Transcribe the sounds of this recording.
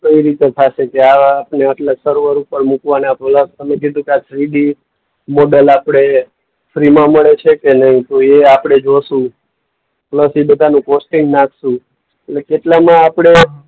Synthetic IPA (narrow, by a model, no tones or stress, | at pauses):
kəiɾit̪et̪ʰaʃekeaːpneəʈləsəɾʋəɾupəɾmukʋanapləst̪əmẽkid̪ʱũkeasɾiɖi | moɖəlapɽ̃e | fɾimãməɭet͡ʃʰekenəɦĩt̪oeapɽ̃ed͡ʒosũ | pləsibəd̪ʱanũkosʈɪŋɡnakʰsũ | etlekeʈlamãːpɽ̃e